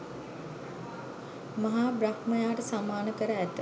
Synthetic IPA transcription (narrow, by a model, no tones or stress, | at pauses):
mɐɦaːbɾakməjaːʈəsamaːnəkəɾəæt̪